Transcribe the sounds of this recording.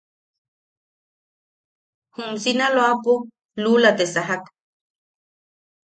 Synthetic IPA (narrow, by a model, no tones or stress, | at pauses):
humsinaloapu | lulat̪esaɦak